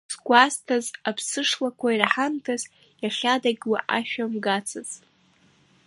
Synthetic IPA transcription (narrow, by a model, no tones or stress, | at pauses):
sɡʷastʰazapʰsɨʂlakʷʰairħantʰaz | jaχʲadaɡʲwaʔaʃᶣamɡat͡sʰaz